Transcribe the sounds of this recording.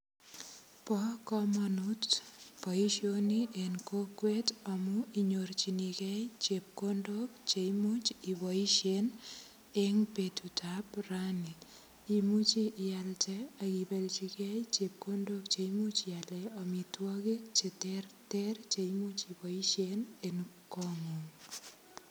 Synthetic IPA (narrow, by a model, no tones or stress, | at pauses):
pɔkɔmɔnutpɔiʃjoniʔenkokwetɔmuiɲoɾt͡ʃinikɛjt͡ʃep̚kondok̚t͡ʃeimut͡ʃiwɔiʃen | eŋpetutaprani | imut͡ʃiʔalt͡ʃɛakipelt͡ʃikɛjt͡ʃep̚kondok̚t͡ʃeimut͡ʃialɛɔmitwɔkik̚t͡ʃetɛrtɛrt͡ʃeimut͡ʃibɔiʃenenkɔŋuŋ